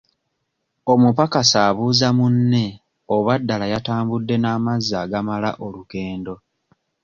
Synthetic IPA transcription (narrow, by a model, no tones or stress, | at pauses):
o̞mupakasaːβuːzamunːe̞ | o̞βadːalajataːmbudːe̞naːmazːaɡamala̰ʔo̞luke̞ːndo̞